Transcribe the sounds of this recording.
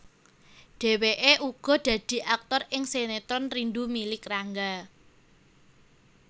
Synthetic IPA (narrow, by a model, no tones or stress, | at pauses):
ɖ̥e̤weʔeʔuɡ̥ɔ̤ɖ̥ä̤d̪̥i̤ʔak̚t̪ɔrʔɪŋsenet̪ɔnrinɖumilɪkraŋɡa